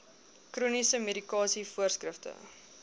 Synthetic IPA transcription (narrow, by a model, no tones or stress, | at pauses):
krɾunisəmeɾikɑːsifuərskrəftə̰